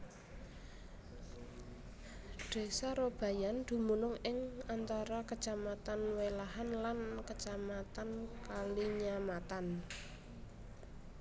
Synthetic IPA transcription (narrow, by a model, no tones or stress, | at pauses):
ɖ̥e̤saɾob̥ä̤jand̪̥ṳmunʊŋɪŋant̪aɾakət͡ʃamat̪anwelaɦanlankət͡ʃamat̪ankaliɲamat̪an